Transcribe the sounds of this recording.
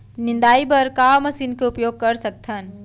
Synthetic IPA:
nɪ̃nd̪aːibɐɾkaːmɐsiːnkeʊpjoːɡ̚kɐɾsɐk̚t̪ʰən

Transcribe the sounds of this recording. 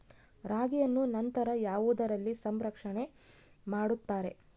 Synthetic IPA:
ɾaːɡijɐnːunɐnt̪ɐɾɐjaːʋuːd̪ɐɾɐlːisɐmɾɐkʂɐɳe̞ | maːɽut̪ːaːɾe̞

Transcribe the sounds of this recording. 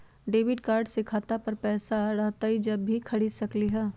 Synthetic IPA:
ɖeːʋɪɖkaːɾɖsɪkʰaːt̪apɐɾpɛːsaɾɐɦt̪aɦid͡ʒɐbːʱikʰɐɽisɐkliɦɛː

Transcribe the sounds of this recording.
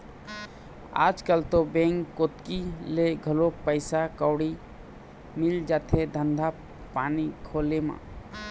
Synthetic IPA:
a̰ːd͡ʒkəlt̪obẽŋːot̪kileɡʱəlopəɪsakɔwɽi | mɪld͡ʒaːt̪ʰed̪ʱənd̪ʱa | paːnikʰolemã̰

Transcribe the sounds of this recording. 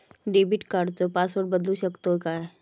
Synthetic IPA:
ɖebiʈkaɖt͡sopasʋəɾɖ̚bəd̪luɕəkt̪okaɦe

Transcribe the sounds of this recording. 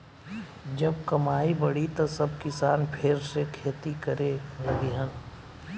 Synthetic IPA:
d͡ʒɐb̚kɐmaːibɐɽit̪osɐbkɪsaːnpʰɪɾsekʰeːt̪ikəɾemliɦən

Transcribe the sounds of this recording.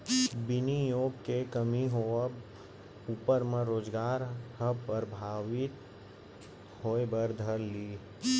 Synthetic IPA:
bɪnijoːɡkekəmiɦo | uːpəɾmə̃ɾoːd͡ʒɡaːɾhəpəɾbʱaːʋɪt̪ | hoːebəɾd̪ʱəɾliː

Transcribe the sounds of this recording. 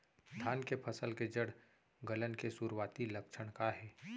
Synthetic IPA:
st̪ʰaːnkepʰəsəlked͡ʒəɽ | ɡələnkesuɾwaːt̪iləkʃʰəɽ̃kaɦɛː

